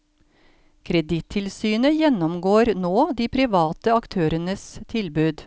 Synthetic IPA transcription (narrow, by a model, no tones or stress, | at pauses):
kʰɾɛd̪ɪt̪ʰɪlsyːnəjɛnɔmɡoːɾnoːd̪iːpʰɾɪʋɑːt̪əɑkt̪ʰøːɾənəst̪ʰɪlbʉːd̪